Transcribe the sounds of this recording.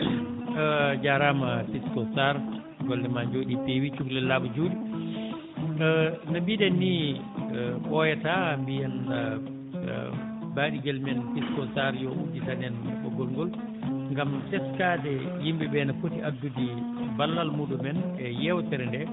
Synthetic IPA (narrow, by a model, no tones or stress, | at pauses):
d͡ʒaɾamafiskɔsaɾ | ɡɔldɛmaɲd͡ʒoːɗipewit͡ʃuklɛlaːɓud͡ʒuːɗi | nabidɛnːi | ɓɔjɛtambijan | baːɗiɡɛlmɛnfiskɔsaɾjɔʔuditanɛnɓɔ̰ɡɔlŋɡɔl | ŋɡamtɛskaːdɛ | jimbɛbɛnafotiadːudibalːalmudumɛnɛjɛwtɛɾɛndɛ